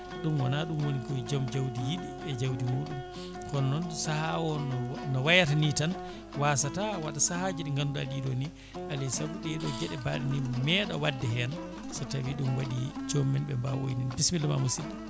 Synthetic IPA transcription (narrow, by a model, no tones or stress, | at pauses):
ɗumwɔnaɗumwonikɔd͡ʒɔmd͡ʒawdijiɗiɛd͡ʒawdimuːɗum | kɔnɔnsahawɔnnɔwajatanitan | wasatawaɗasahad͡ʒiɗɛŋɡanduaɗiɗɔni | ʔalisabuɗɛɗɔd͡ʒɛɗɛbaɗinimɛɗa̰wadːɛɦɛn | satawiɗumwaɗid͡ʒomːɛnɓɛmbawo̰jninbismilɛma̰musidɛ